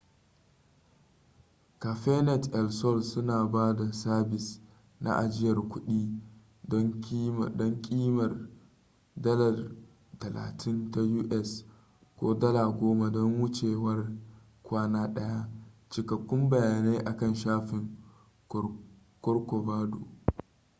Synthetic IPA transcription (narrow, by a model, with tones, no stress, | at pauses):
ka˨ɸɛ˦nɛ˨tʔɛ˨lsɔ˦˨lsʊ˦naː˨baː˦da˨saː˦bɪ˨s | nʔa̰˦˨ʔa˨d͡ʒɪ˦jɐ˨rkʷʊ˦ɗiː˦ | dɔ˦ŋkːm˨dɔ˦ŋkʲʼiː˦mɐ˨r | dɐ˦lɐ˨r | tɐ˨la̰ː˨tʰɪ˦nta˦juː˦ʔɛ˦s | kʷoː˦dɐ˦la˨ɡʷoː˦ma˨dɔ˦ŋwʊ˦t͡ʃeː˨wɐ˦r | kʷaː˦naː˦ɗɐ˦ja˦t͡ʃɪ˨kɐ˨kʷːʊ˦mbɐ˨jaː˨ne˦ʔa˨kɐ˦˨nʃaː˦ɸɪ˨ŋ | kɔ˦rkʷo˨baː˦do̰ː˨